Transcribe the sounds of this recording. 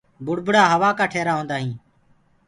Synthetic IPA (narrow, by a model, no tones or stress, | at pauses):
bʊɽbʊɽaːɦəʋaːkaːʈʰeːɾaːɦõːnd̪aːɦĩː